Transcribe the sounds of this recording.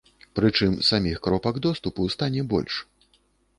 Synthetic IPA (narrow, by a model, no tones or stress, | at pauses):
pɾɨt͡ʂɨmsamʲixkɾɔpɐɡd̪ɔst̪upust̪anʲɛbɔ̰lʲʂ